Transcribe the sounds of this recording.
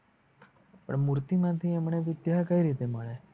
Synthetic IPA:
pə̰ɳmuɾt̪imãt̪ʰiɛmɳeʋɪd̪jakəiɾit̪eməɭe

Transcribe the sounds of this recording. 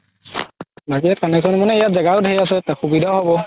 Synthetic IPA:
bak̬iɛtkanɛksɔnmɔnɛejatzɛɡaɔdɦejas̬ɛtaxubidʱaɦɔbɔ

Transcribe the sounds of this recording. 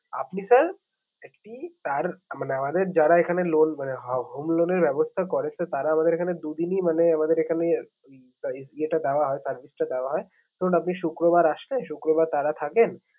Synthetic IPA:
a̰pnisəɾ | ekʈit̪aɾmaneamad̪eɾd͡ʒaɾaekʰanelonmaneɦɦomloneɾʋɛbɔst̪ʰakɔɾet͡ʃʰet̪aɾaːmad̪eɾekʰaned̪ud̪inimaneamad̪eɾekʰane | ieʈad̪aʋaɦɔesəɾʋisʈad̪aʋaɦɔe | t̪onapniʃukɾobaɾaʃleʃukɾobaɾt̪aɾat̪ʰaken

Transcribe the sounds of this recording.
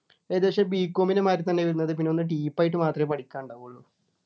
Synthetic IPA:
eːðuʋɐʂebiːkːoːminemaːɾut̪ɐnːe̞ʋɐɾunːɐðɨp̬inːeo̞nːɨʈiːpːaːjiʈːɨmaːt̪rɐmepɐʈikʲːaːɳɖaːɣuɭːu

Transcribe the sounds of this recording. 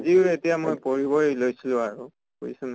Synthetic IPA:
zietijamojpoɹibɔjlojsilʊ̃aɹu | ko̰isun

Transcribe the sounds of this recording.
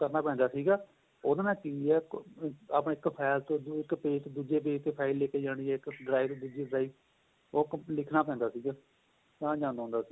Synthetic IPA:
kəɾnaːpɛ̃ːnd̪aːsiːɡaː | od̪anãːkiɛː | aːpnɪkpʰɛːlt̪õːɪkpeːt͡ʃd̪uːd͡ʒeːbeːt̪eːpʰaːɪlːeːkeːd͡ʒãːɽ̃iːɛːɪkɖɾaːɪʋt̪od̪uːd͡ʒiːbɾaːiː | oːklɪkʰnaːpɛ̃ːnd̪aːsiːɡaː | t̪ãːd͡ʒãːnd̪õːnd̪aːsiː

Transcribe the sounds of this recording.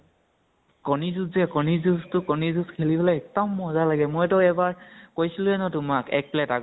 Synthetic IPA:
kɔnizuzɛkɔnizustʊkɔnizuskʰelibɔlɛɛk̚tɔmːɔzalaɡɛmojtɔɛbaɹkojsilʊɛnɔtʊmakɛ̰k̚plɛtaɡ

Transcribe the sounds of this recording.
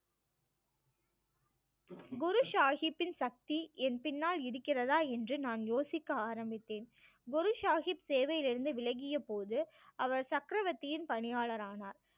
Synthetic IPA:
ɡʊɾɯʃaːɣɪpːɪnsɐk̚t̪iɛnpɪnːaːlɪɾɯkːɪrɐðaːɛndrɯnaːnjoːsɪkːɐaːɾɐmbɪt̪ːeːn | ɡʊɾɯʃaːɣipseːʋɐjɪlɪɾɯnd̪ɯʋɪlɐɣɪjɐpoːðɯ | ɐʋɐɾsɐkɾɐʋɐt̪ːɪjɪnpɐɳɪjaːɭɐɾaːnaːɾ

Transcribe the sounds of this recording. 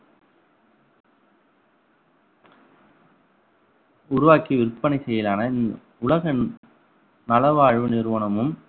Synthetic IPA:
ʊɾʊʋaːkiʋɪɾpːɐɳisɛjɐlaːnɐ | ʊɭɐɣɐ | nɐlɐʋaːɻʋɯnɪɾʋɐnɐmɯm

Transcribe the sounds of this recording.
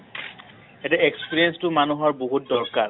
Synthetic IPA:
ɛtɛekspiɹijɛnstʊmanuɦɔɹboɦut̚dɔɹkaɹ

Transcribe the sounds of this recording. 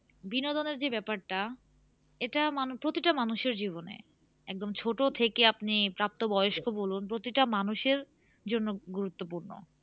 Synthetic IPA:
binod̪oneɾd͡ʑebɛpaɾʈa | eʈamanupɾot̪iʈamanuʃeɾd͡ʑiβonḛ | ɛk̚d̪omt͡ɕʰoʈot̪ʰekeapnipɾap̚t̪obɔjoʃkʰobolunpɾot̪iʈamanuʃeɾ | d͡ʑonːoɡuɾut̪ːop̬uɾno̰

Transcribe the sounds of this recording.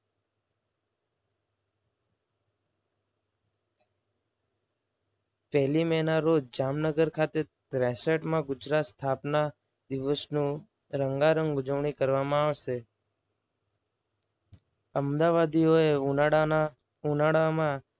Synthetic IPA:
pɛɦlimɛnaɾod͡ʒd͡ʒamnəɡəɾkʰat̪et̪ɾɛsəʈmãɡʊd͡ʒɾat̪st̪ʰapna | d̪iʋəsnũ | ɾəŋɡaɾə̃ŋɡʊd͡ʒəʋɳ̃ikəɾʋamãaʋʃe | əmd̪aʋad̪ioe | unaɽamã

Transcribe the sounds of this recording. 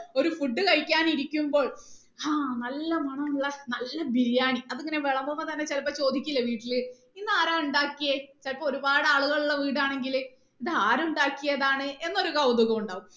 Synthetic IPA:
o̞ɾufuɖːɨkɐɻkʲːaːniɾikʲːumbo̞ːɭ | aːnɐlːɐmɐɳɐmuɭːɐnɐlːɐbiɾijaːɳiɐðiŋːɐneʋeɭɐmbomːɐt̪ɐnːe̞t͡ɕelɐpːɐt͡ɕo̞ːd̪ikʲːilːɐʋiːʈːilɨ | inːaːɾaːuɳɖaːkːijɐt͡ɕelpːɐoɾubaːɽɨaːɭuɣɐɭuɭːɐʋiːɽaːɳe̞ŋɡil | iðɨaːɾuɳɖaːkːijɐðaːɳɨe̞nːo̞ɾukɐwd̪uɣɐmuɳɖaːʋum

